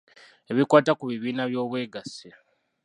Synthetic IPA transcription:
e̞βikwaːtakuβiβiːnaβjo̞ːβwe̞ːɡase

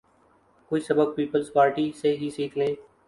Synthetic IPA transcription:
koːiːsəbəb̚piːpəlzpaːɾʈiːseːɦiːsiːkʰlẽː

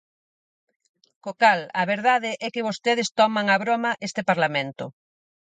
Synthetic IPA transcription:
kokalɐβeɾðaðɪʔɛkɪβost̪eð̞ɪst̪ɔmaŋaβɾɔmaʔest̪epaɾlamẽnt̪ʊ̰

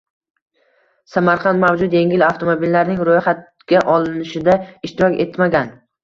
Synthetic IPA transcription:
samaɾqʰɑnd̪mawd͡ʒʊt̪je̞ŋʲɪlaft̪ʰomobilːaɾnɪŋɾojχat̪ | ɡʲaʔɒlˠɪnɪʃɪd̪aɪʃt̪ɪɾɒkʲe̞t̪maɡʲan

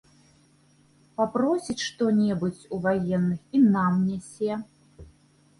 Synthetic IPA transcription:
papɾɔsʲit͡sʲʂt̪ɔnʲɛbut͡sʲuvajɛnːɨxinamnʲɛsʲɛ

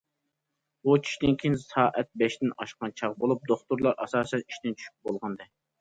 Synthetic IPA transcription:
but͡ʃʰi̥ʃd̪ɪnkʲʰinsɑːʔɛt̪̚bɛʃt̪ɪnɑ̰ʃqɑnt͡ʃʰɑʁbolˠup̚d̪oχt̪uɾlˠɑɾɑ̰sɑːsɛni̥ʃt̪ɪnt͡ʃʰy̥ʃy̥pbolˠʁɑnd̪ɨ

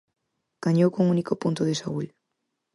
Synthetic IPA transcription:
ɡ̥aɲowkoŋunikopunt̪ʊðesaɣuʎ

